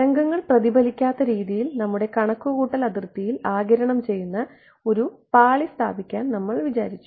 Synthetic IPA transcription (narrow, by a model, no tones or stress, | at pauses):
ɐŋɡɐŋːɐɭprɐðibɐlikʲːaːt̪ːɐɾiːðijilnɐmːuɽe̞kɐɳɐkːuɣuːʈːɐlɐðrt̪ːijilaːɡɐɾɐɳɐmt͡ɕe̞jːunːɐ | o̞ɾupaːɭist̪ʰaːbikʲːaːnnɐmːɐɭʋit͡ɕaːɾit͡ɕʲːu